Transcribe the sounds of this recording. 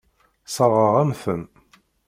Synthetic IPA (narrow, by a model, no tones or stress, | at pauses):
sˤəɾˤʁəʁæmθəm